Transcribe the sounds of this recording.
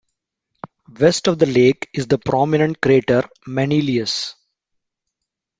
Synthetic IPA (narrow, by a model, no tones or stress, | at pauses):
ʋɛsʈɔʋd̪əleːkɪzd̪əpɾɔːmɪnə̃ɳʈ̚kɾieːʈəɾ | mɛniliəs